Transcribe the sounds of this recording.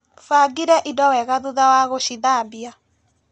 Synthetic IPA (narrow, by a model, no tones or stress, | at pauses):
faɡiɾɛʔidɔwɛɣaðuðawaɣoʃiðambija